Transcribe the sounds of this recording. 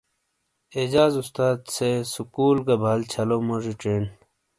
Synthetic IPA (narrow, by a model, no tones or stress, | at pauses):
ed͡ʑaːzust̪aːd̪sesukuːlɡɐbʱaːlt͡ɕʰɐlomoʐiʈ͡ʂeːn